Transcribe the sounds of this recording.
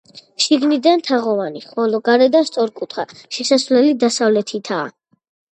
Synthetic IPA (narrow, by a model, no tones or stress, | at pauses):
ʃiɡnid̪ant̪ʰaʁɔvaniχɔlɔɡaɾɛd̪ast̪sʼɔɾkʼut̪ʰχa̰ʃɛsasvlɛlid̪asavlɛt̪ʰit̪ʰaː